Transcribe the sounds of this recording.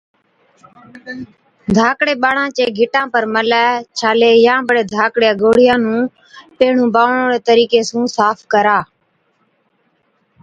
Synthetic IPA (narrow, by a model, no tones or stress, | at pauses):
d̪ʱaːkɽeːɓaːɳãːt͡ʃeːɡʱɪʈãːpəɾməlaːt͡ʃʰaːleːjãːbəɽeːd̪ʱaːkɽeːɡoːɽɪjãːnũː | peːɳ̤ũːbaːʋɳõːɽeːt̪əɾiːkeːsũːsaːpʰkəɾaː